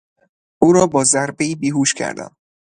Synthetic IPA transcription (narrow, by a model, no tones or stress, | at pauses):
uːɾɒːbɒːzæɾbeiːbiːɦuːʃcʲʰæ̰ɾd̪æ̰m